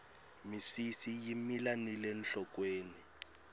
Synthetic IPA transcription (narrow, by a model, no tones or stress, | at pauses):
misisijimilanilɛnɬɔk̬ʼweːni